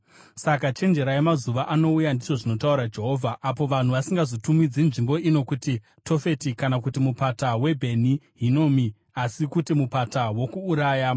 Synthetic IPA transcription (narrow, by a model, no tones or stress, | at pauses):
sakat͡ʃe̞nd͡ʒe̞ɾaemazuʋaʔano̞ujandiʐo̞ʐino̞tauɾad͡ʒe̞ɦo̞ːvʱaʔːpo̞ʋan̤uʋasiŋɡazotumid͡zenʐimbo̞ino̞kuti | tʰo̞fe̞tikanakutimupatawe̞bʱe̞niɦino̞mi | asikutimupatawo̞kuːɾaːja